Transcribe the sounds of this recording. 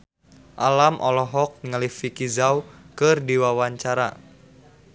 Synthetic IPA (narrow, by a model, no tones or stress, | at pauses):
ʔalamʔɔlɔɦɔk̚ŋalifikizawkɨrdiwawaɲt͡ʃaɾa